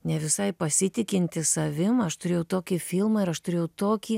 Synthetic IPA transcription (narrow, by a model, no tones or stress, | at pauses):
nʲɛʋʲɪsɐɪpɐsʲɪt̪ʲɪkʲɪnʲt̪ʲɪsɐʋʲɪmɐʃt̪ʊɾʲeːjɛʊt̪oːkʲifʲɪlˠmɐɪɾɐʃt̪ʊɾʲeːjɛʊt̪oːkʲiː